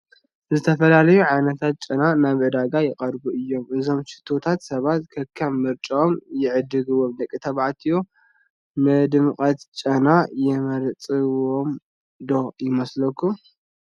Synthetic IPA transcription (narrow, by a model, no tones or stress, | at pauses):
zɨt̪ʰɐfɐlalɐjuʕajnɐt̪ʰat̪̚t͡ʃʼɐnanaβʕɨd̪aɡajɪqʼɐɾɡuʔɨjːo̞mʔɨzo̞mʃɪ̥t̪ʰːot̪ʰat̪sɐβat̪kʰɐkʰːamːɨɾt͡ʃʼomjɪʕɨd̪ɨɡɨwomd̪ɐkʼːit̪ʰɐβʕat̪ʰijo | mɨd̪ɨmɨkʼɐt̪t͡ʃʼɐnajɛmɐɾt͡sʼɨwom | d̪o̞jɪmɐslɐkʰːu